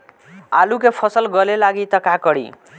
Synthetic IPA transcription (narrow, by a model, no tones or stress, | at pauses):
alukepʰʌsəlɡʌlelaɡit̪ʌkakʌɽḭ